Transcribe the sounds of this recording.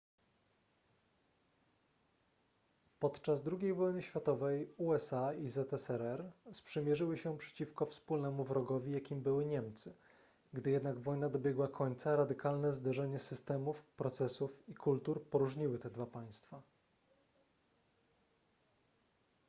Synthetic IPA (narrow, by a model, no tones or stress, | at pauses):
pɔt̪t͡ʂazd̪ɾuɡʲejvɔjnɘɕfʲjat̪ɔvɛjuɛsaizɛt̪ɛsɛɾɛɾspʂɘmʲjɛʐɘwɘɕɛpʂɛ̥t͡ɕifkɔfspulnɛmuvɾɔɡɔvʲijakʲimbɘwɘɲɛmt̪sɘ | ɡd̪ɘjɛd̪naɡvɔjnad̪ɔbʲjɛɡwakʰɔɲt̪saɾad̪ɘkalnɛzd̪ɛʐɛɲɛsɘst̪ɛmufpɾɔt̪sɛsufikult̪uɾpɔɾuʐɲiwɘt̪ɛd̪vapaj̃st̪fa